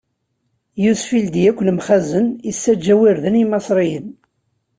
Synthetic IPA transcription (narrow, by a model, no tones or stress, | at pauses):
jusfild̪jækʷːlmχæzənisːæd͡ʒːæwiɾðənimɑsˤɾˤijən